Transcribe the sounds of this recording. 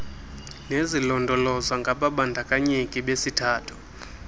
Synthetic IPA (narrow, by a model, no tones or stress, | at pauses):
nezilɔndʱɔlɔzaŋɡʱaɓaɓandʱakʼaɲikʼiɓesitʰaːtʰu̥